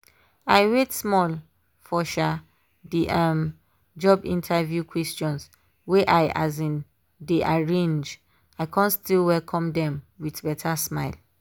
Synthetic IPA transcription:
ajwetsmɔl | fɔʃa | diʔãm | d͡ʒɔbḭ̃ntʰavjukʰwɛstɔ̃ns | weʔaja̰zĩn | deʔaɹẽnd͡ʒ | aɪkʰãntstilwɛlkʰɔ̃mdɛ̃mwidbɛtʰasmaɪl

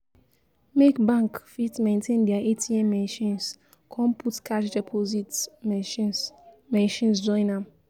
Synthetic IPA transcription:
mekbãŋkfitmẽntʰẽndiaʔetʰiɛ̃mːɛ̃nʃĩns | kʰɔ̃mpʰutkʰaʃd͡ʒɛpʰozit | mɛ̃nʃĩnsd͡ʒɔ̃ɪ̃nãm

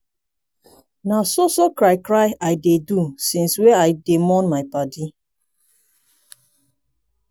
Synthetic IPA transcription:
nasosokɾaɪkɾaɪaɪjdedusĩnsweaɪdemɔnmaɪpadi

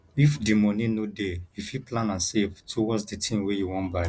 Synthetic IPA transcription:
ifdimɔnĩnodeifiplãnãnsevtʰuwɔtsditʰĩmwejuwɔ̃nbaɪ

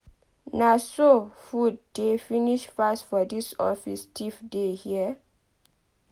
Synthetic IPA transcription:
nasofud̚definiʃfastfɔdisɔ̰fḭstʰifdehiə

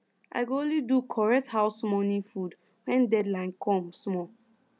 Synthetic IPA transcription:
ʔa̰ɪɡoonlidukʰɔɹɛk̚thaʊsmɔnĩnfud | wɛ̃ndɛdlãɪ̃nkʰɔ̃msmɔ

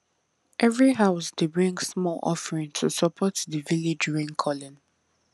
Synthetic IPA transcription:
ʔɛvɹiɦaʊsdebɹĩŋɡsmɔlʔɔ̰fɹĩntʰusɔpʰɔtdəviled͡ʒɹẽŋkʰɔlɔ̃n

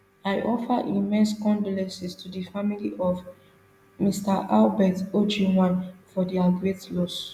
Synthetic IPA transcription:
ajʔɔfəʔimɛ̃nskɔ̃ndlɛ̃sɛstʰudəfamiliʔɔv | mistaʔalbɛtod͡ʒiwãnfɔdiaɡɹetlɔs

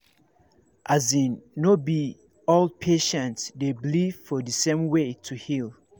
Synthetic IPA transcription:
ʔazĩnːobi | old̚pʰeʃɛ̃ntsdeblivfɔdəsẽmwetʰuhilˠ

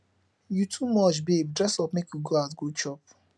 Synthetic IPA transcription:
jutʰumɔt͡ʃbeb̚dɹɛsɔpmekʰjuɡoatɡot͡ʃɔp̚

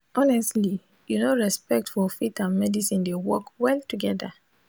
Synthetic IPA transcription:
ɔnɛstli | junoɹɛspɛk̚tfɔfitãnmɛdisĩndewɔkwɛltuɡɛda̰

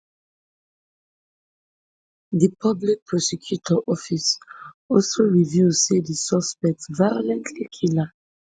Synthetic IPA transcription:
dipʰablik̚pɹɔsɛkʰjutʰɔʔɔfis | ɔlsoɹivjuzsedisɔspɛk̚tsvajolɛ̃ntʰlikʰila

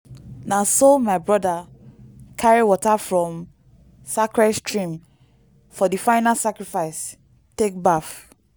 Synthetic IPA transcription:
nasomaɪbɹɔda | kʰaɹiwɔtafɹɔ̃m | sakɹɛstɹĩm | fɔdifãɪnalsakɹifaɪs | tek̚baf

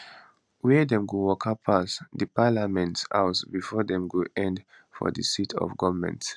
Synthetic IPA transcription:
wɛdɛ̃mɡowɔkʰapʰasdəpalamɛ̃nta̰ʊsbifɔdɛ̃mɡoɛ̃nd | fɔ̰dəsitʰɔ̰vɡɔvəmɛ̰̃nt

